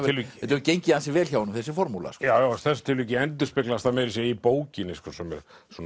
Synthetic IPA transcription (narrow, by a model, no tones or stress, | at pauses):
ɪlviɛt̪ɛcejɲcɪhansɪvɛːlçawnʏmθɛs̬ɪfɔɾmula̰skjawjastθɛsat̪ʰɪlvicɪɛnt̪ʏspɪklast̪amɛɾɪsjɛipoːwcɪnɪskɔsɛmɛ̰ɾ | sɔn